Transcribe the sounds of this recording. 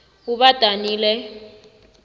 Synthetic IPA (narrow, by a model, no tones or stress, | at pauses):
ɣuβatʼaniːlɛ